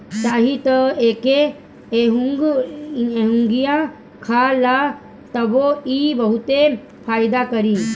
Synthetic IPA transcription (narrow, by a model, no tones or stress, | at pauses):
t͡ʃaːɦĩt̪ɐeːke | ɦuɡ | eɦũŋɡijã | kʰala | t̪ɐboiːbɐɦut̪e | pʰaːjd̪akɐɾiː